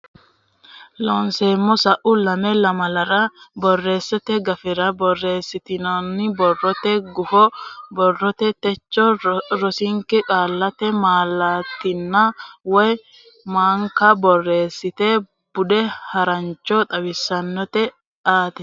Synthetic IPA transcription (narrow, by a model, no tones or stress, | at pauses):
lɔnseːmːɔsɐʔʊlɐmɛlɐmɐlɐɾɐbɔrːe̞ːsːɛt̪ɛɡɐfɪɾɐbɔrːe̞ːsːɪt̪ɪnonːɪbɔrːɔt̪ɛɡʊfɔbɔrːɔt̪ɛt̪ɛt͡ʃːɔɾɔsɪŋkɛkʼaːlːɐt̪ɛmaːlːaːt̪ːɪnːawɔj | maːŋkɐbɔrːe̞ːsːɪt̪e | b̥ʊᶑɛhɐɾɐnt͡ʃːɔt̪ʼɐwɪsːɐnːɔt̪ɛ | ʔaːt̪ɛ